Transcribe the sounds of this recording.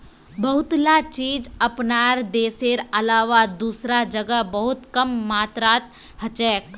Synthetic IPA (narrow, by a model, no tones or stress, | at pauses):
bɐɦʊt̪lat͡ʃiːd͡ʒɐpnaːɾd̪eːseːɾɐlaːʋad̪uːsɾad͡ʒəɡəbɐɦʊt̪kɐmːaːt̪ɾaːt̪ | hɐt͡ʃɛːk